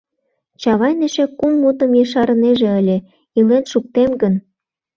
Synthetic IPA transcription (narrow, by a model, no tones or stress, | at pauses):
t͡ɕɑβɑjnĕʃĕkumːut̪ə̆mjɤʃɑɾɤ̆neʒĕə̆lʲĕ | ilenʃuk̚t̪emɡən